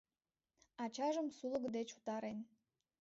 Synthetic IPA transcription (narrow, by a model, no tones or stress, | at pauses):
ɑt͡ɕɑʒəmsulə̆kd̪et͡ɕu̥t̪ɑɾen